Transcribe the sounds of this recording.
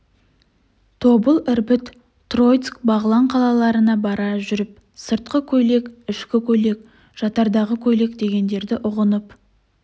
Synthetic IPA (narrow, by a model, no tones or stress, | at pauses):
t̪ʰo̞bəlˠɪɾbɪt̪ | t̪ro̞jt̪skbɑʁəlˠɑɴqʰɑlˠɑlˠɑɾənɑbɑɾɑʒʏɾɪp̚ | səɾt̪̚qəkʲʰɵle̞kɪʃkʲɪkʲʰɵle̞k̚ | ʒ̥ɑt̪ɑɾd̪ɑʁəkʲʰɵle̞kd̪e̞ɡʲe̞nd̪e̞ɾd̪ɪʔʊʁənəp